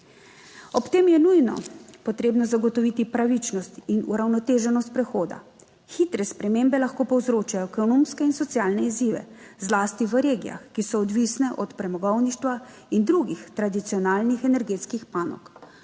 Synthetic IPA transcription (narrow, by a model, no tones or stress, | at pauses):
ɔpt̪eːmjɛnujnɔ̰pɔt̪ɾeːbnɔzaɡɔt̪ɔʋit̪ipɾaʋit͡ʃnɔst̪inṵɾawnɔt̪eːʒɛnɔst̪̚pɾɛxoːd̪a̰ | xit̪ɾɛspɾɛmembɛlaxkoːpɔwzɾoːt͡ʃajɔkɔnomskɛinsɔt̪sjaːlnɛiziːʋɛ̰zlaːst̪iʋəɾeːɡija̰xkːisɔːd̪ʋisnɛʔɔt̪pɾɛmɔɡɔwniʃt̪ʋa | ind̪ɾuɡixt̪ɾad̪it̪sijɔnaːlnixɛnɛɾɡeːt̪skixpaːnɔ̰k